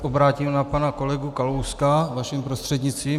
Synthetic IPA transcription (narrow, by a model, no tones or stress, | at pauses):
ʔobɾaːcimnapanakolɛɡukalowskavaʃimpɾost̪r̥ɛd̪ɲɪt͡st̪viː